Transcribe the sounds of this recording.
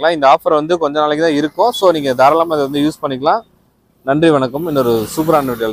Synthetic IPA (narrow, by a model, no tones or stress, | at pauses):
ɐlãːɪnd̪ɐaːfɐɾʋɐnd̪ɯkɔɲd͡ʒɔ̃naːlɛkːɯt̪ãːɪɾɯkːʊ̃soːniːŋɡɐd̪aːɾɐlaːmaːɪðɐʋɐnd̪ɯjuːspɐɳːɪk̬ːɐlãː | nɐndriʋɐɳɐkːɯmɛnːɔɾɯsuːp̬ɐɾaːɳʋɪʈɐl